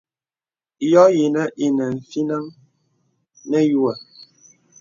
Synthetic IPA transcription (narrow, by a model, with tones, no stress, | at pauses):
jɔ˦ji˨nə˦ʔi˨nə˨ɱ̩˨fi˦nə˦ŋ | nɛ˦ju˦ə˨